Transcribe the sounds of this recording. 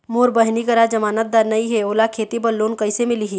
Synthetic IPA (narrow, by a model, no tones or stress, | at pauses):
moːɾbɐɦnikɐɾad͡ʒɐmaːnət̪̚d̪aːɾnɐiɦɛoːlakʰeːt̪ibɐlːoːnkɐɪsemɪliɦi